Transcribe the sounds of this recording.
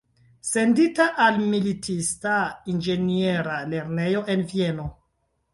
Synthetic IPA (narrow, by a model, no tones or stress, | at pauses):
se̞nditaʔalmilitʰistaind͡ʒenie̞ɾale̞ɾne̞jo̞ʔe̞nvie̞no̞